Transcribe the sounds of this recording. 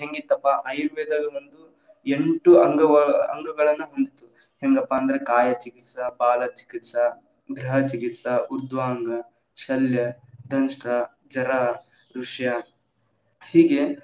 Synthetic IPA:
ɦeŋɡit̪ɐpːɐʔɐjɾuʋɛːd̪ɐɡɐond̪u | eɳʈuɐŋɡɐɐɐ̰ŋɡɐɡɐɭɐnːuɦond̪it̪u | heŋɡɐpːɐːnd̪ɐɾekaːjɐt͡ʃikit̪sɐbaːlɐt͡ʃi̥kit̪sɐ | ɡɾɐɦɐt͡ʃikit̪sɐuɾd̪ʱʋaːŋɡɐ | ʃɐljɐ | d̪ʱɐnʂʈɾɐ | d͡ʒɐɾa | ɾuʂjɐ | hiːɡe̞

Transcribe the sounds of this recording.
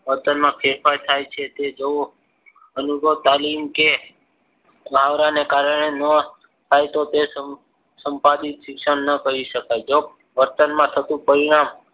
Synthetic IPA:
ʋəɾt̪ənmãkʰeɾfajt̪ʰajt͡ʃʰet̪ed͡ʒoo | ənubot̪alimke | bʱaʋɾanekaɾəɽenə | t̪ʰajt̪ot̪esə | səmpad̪it̪ʃikʃəɳnəkəɾiʃəkajd͡ʒo | ʋəɾt̪ənmãt̪ʰət̪ũpəɾiɽ̃am

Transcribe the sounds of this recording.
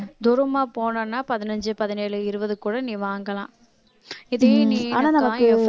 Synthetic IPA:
d̪ʊɾɯmaːpoːnanːaːpɐðɪnɐɲd͡ʒɯpɐðɪneːɭɯɪɾɯbɐðɯkuːɽɐnĩːʋaːŋɡɐlã̰ː | ɪðeːniaːnaːnɐmɐãːkː

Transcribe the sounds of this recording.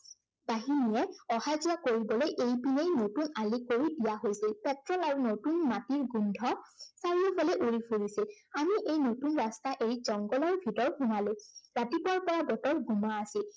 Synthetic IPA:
baɦinijɛɔhajzijakoɹibɔlojʔejpinejnotunalikoɹidijaɦojsilpɛtɹɔlaɹunotunmatiɹɡundʱɔsaɹiɔpʰɔlɛʔuɹipʰuɹisil | amiʔejnotunɹastaʔeɹizɔŋɡɔlɔɹbʱitɔɹxumaluɹatipɔɹpɔɹaɡɔtɔɹɡumaːsil

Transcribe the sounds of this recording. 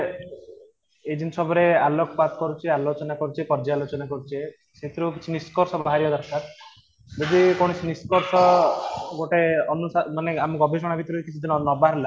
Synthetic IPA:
ed͡ʒinsɔbʱɔɾealokɔpat̪ɔkɔɾut͡ʃʰialot͡ʃɔnakɔɾut͡ʃʰipɔɾd͡ʒaalot͡ʃɔnakɔɾut͡ʃʰe | set̪ɾukit͡ʃʰiniskɔɾsɔbaɦaɾjɔd̪ɔɾsaɾ | d͡ʒɔd̪ikɔɽ̃ɔsʰiniskɔɾsɔ | ɡoʈeɔnusamaneamɔɡɔbʱisɔɽ̃abʱit̪ɾuekit͡ʃʰud̪inɔnɔbaɾla

